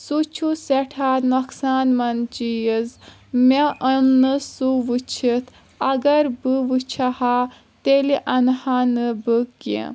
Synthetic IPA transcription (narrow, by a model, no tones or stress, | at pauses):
sut͡ʃʰuseʈʰaːnoksaːnmɐnt͡ʃijəz | meəmnɨsuʋɨt͡ʃʰit̪ʰ | ɐɡɐɾbɨʋɨt͡ʃʰɐha | t̪eliʔɐnhanɨbɨkḭ̃